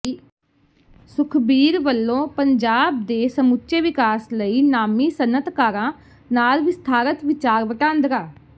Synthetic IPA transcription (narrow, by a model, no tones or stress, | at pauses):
sʊkʰbiːɾʋəlːõːpəɲd͡ʒaːb̚d̪eːsəmʊtːʃeːʋɪkaːsləiːnaːmiːsənːət̪kaːɾãː | naːlʋɪst̪ʰaːɾət̪ʋɪt͡ʃaːɾʋəʈãːnd̪ɾaː